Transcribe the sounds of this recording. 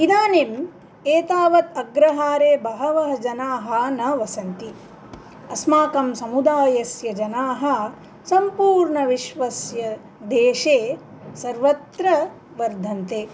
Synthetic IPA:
id̪aːnim | eːt̪aːʋɐt̪ɐɡɾɐɦaːɾeːbɐɦɐʋɐɦɐd͡ʒɐnaːɦɐnɐʋɐsɐnt̪i | ɐsmaːkɐmsɐmud̪aːjɐsjɐd͡ʒɐnaːɦɐ̆ | sɐmpuːɾɳɐʋiʃʋɐsjɐ | d̪eːʃeː | sɐɾʋɐt̪ɾɐ | ʋɐɾd̪ʱɐnt̪eː

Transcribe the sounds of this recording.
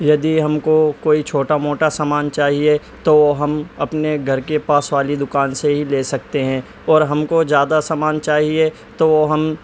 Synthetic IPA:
jɐd̪iɦɐmkokoːit͡ʃʰoːʈamoːʈasaːmaːnt͡ʃaːɦie | t̪ooɦɐmɐpneɡʱɐɾkepaːswaːlid̪ʊkaːnseɦileːsɐk̚t̪eɦɛ̃ː | ɔːɾɦɐmkozjaːd̪asaːmaːnt͡ʃaːɦie | t̪oʋoɦɐm

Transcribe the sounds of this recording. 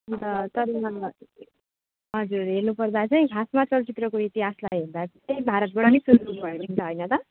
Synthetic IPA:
unt̪ʌt̪ʌɾʌ | ɦʌd͡zurɦernupʌrd̪at͡saĩkʰasmat͡sʌlt͡sit̪ɾʌkoit̪iɦaslajɦeɾd̪at̪ejbʱaɾʌt̪̚bʌʈʌnisuɾuubʱʌeɾoint͡sʰʌɦʌjnʌt̪ʌ

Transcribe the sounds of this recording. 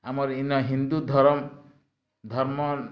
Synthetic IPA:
amɔɾinɔɦind̪ud̪ʱɔɾɔm | d̪ʱɔɾmɔ

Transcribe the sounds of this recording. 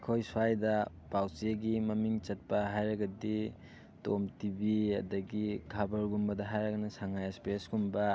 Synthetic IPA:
kʰojsuajdɐ | pawt͡ʃiɡimɐmiŋt͡ʃɐt̚paɦajɾɐɡɐdi | tomtibiɐ̰dɐɡikʰabɐɾɡumbɐdɐɦajɾɐɡɐnɐsaŋajspesɡumbɐ

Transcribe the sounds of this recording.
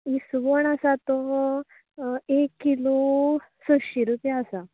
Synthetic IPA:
isʋoɳasat̪ɔ | ekːilosəɕiɾupjaːsa

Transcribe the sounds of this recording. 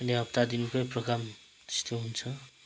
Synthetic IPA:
ʌniɦʌp̚t̪ad̪inukʌjprʌɡam | t̪e̥st̪oɦunt͡sʰʌ

